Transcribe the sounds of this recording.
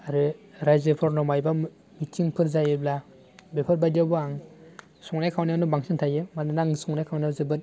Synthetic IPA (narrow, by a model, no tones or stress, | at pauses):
aɾɯɾajzepʰɔɾnɔmajba | mitʰiŋpʰɯɾzajɯbla | bepʰaɾbajdawbɯaŋ | sɔŋnajkʰawnjawnɯbaŋsʰintʰajɯmanɯnaŋsɔŋnajkʰawnawzɯbɯn